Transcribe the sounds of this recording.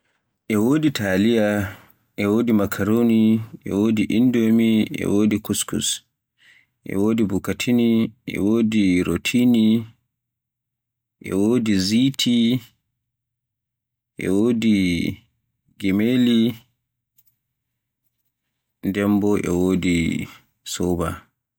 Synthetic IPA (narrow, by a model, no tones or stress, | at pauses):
ʔɛwoːditalija | ʔɛwoːdimakʰaɾoniʔɛ̰woːdiʔindomiʔɛ̰woːdikuskṵs | ʔɛ̰woːdibukatʰiniʔɛ̰woːdiɾotʰini | ʔɛ̰woːdizitʰi | ʔɛ̰woːdi | ɡɛmeli | ndɛmbɔʔɛ̰woːdi | sɔba